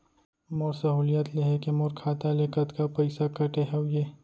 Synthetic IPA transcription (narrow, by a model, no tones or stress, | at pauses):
moːɾsɐɦuːlijat̪leɦekemoːɾkʰaːt̪alekɐt̪kapɐɪsakɐʈeɦewjeː